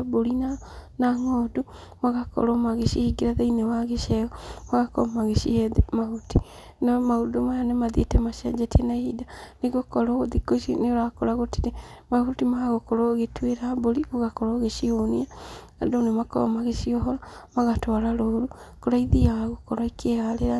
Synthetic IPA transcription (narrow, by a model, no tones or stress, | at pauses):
boɾinanaŋɔːdu | maɣakɔ̰ɾɔmaɣeʃihiɡiɾaðeinewaɣeʃɛɣɔmaɣakɔ̰maɣeʃiɛðemahuti | nɔmaudomajanemaðietɛmaʃɛd͡ʒɛtɛnaeidaneɣokɔɾɔoðikoʃineoɾakoɾaɣotiɾemahutimaɣokɔɾoɣetweɾaboɾioɣakɔɾɔɣeʃionia | adonemakɔ̰maɣeʃiɔɦɔɾɔmaɣatwaɾaɾooɾukoɾaiðiawaɣokɔɾaikʰeɣaleɾa